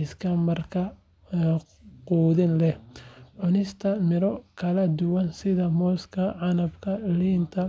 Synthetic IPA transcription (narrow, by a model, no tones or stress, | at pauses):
ɪskʰɐmɐrkʰɐ | quːðɪnlɛhʕʊnɪst̪ʰɐmɪɾɔkʰɐlɐd̪ʊwɐnsɪðɐmɔːskʰɐʕɑnɐbkʰɐliːnt̪ʰɐ